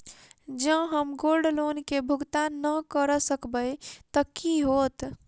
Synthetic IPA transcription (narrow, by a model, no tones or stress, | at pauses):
d͡ʒə̃ɦəmɡoɾɖlonkebʱuɡt̪anːəkəɾəsəkbəjt̪əkiɦot̪